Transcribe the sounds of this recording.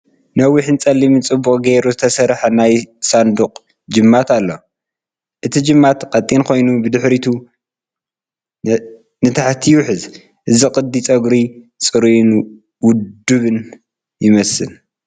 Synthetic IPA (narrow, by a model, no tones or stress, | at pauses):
nɐwiħnt͡sʼɐlːimɨnt͡sʼɨbːukʼɡeɾuzɨt̪ʰɐsɐɾħanajsand̪uqʼ | d͡ʒɨmːat̪ʰalːo | ʔɨt̪ʰid͡ʒɨmːat̪qʼɐt̪ʼinkʰo̞jnubɨd̪ɨħɾit̪ʰu | nɨt̪ʰaħt̪ʰijuħɨz | ʔɨziqʼɨd̪ːit͡sʼɐɡɾit͡sʼɨɾun | wʊdd̪ɨβɨn | jɪmɐsɨ̰l